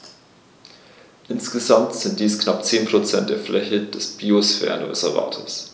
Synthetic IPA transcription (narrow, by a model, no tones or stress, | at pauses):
ʔɪnsɡ̥əzamtz̥ɪnt̚d̥iːsknap̚t͡seːnpʁ̥ot͡sɛnt̚d̥eːɐflɛçəd̥ɛsb̥iːosfɛ̰ːɐn̰vɛ̰sɛva̰ːtʰə̰s